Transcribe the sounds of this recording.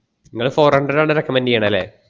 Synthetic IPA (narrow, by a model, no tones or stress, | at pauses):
niŋːɐɭfoːrɐɳɖɐɖaːɭɨɾɐkːɐmɐndijaːɳɐlːḛː